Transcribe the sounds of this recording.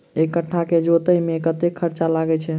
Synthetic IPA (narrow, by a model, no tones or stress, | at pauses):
ekəʈʰːaked͡ʒot̪əjmekət̪ekʰəɾt͡ʃalaɡɛt͡ʃʰɛ